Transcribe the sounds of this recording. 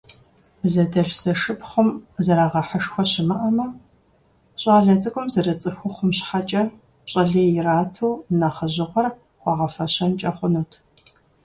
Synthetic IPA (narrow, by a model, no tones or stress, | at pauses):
zɐdɐɮz̥ɐʂɨpχʷʊmzɐɾaːʁɐħəʂxʷɔɕɪmɐʔɐmɐ | ɕʼɑːɮɐt͡sʼɨkʷʼʊmzɐrɐt͡sʼɨxʷʊχʷʊmɕħat͡ʃʼɐr | ɕʼɐɮeːjɪraːtʰuːnɐχɐʑɪʁʷɔr | χʷɑʁɐfɐɕɐnt͡ʃʼɐχʷʊnuːtʰ